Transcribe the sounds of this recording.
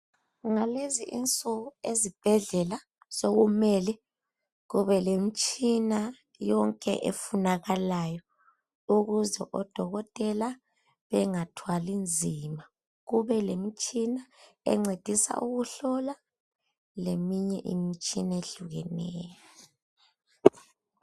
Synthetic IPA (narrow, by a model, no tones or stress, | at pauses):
ŋaleziʔint͡sʼuɣuezib̥ʱɛɮɛla | soɣumɛlɛ | ɣuβɛlemit͡ʃʼina | jɔŋkʼɛ̰ʔḛfunaɣalajɔ | uɣuzɛ̰ʔɔd̥ʱɔɣɔtʼɛla | βɛŋatʰwalind͡zʱima | ɣuβɛlemit͡ʃʼinaɛ̰ŋ͡ǀed̥ʱisa̰ʔuɣuɬɔla | lemiɲɛʔḭmit͡ʃʼinaeɮuɣɛnɛːjjɔ